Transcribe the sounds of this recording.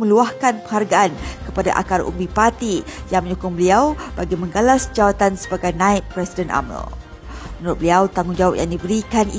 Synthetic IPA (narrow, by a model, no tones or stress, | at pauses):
mə̃luahkanpəŋɦarɡaankəpada̰ʔa̰kaɾṵmbipat̪ijaŋmə̃ɲukʊŋbəliawbaɡimə̃ŋɡalasd͡ʒawat̪ansə̥baɡajnãit̪̚pɾɛsidɛnʔa̰mə̰l | mənɾʊt̪̚bəliawt̪aŋʊŋd͡ʒawap̚jaŋdibəɾikani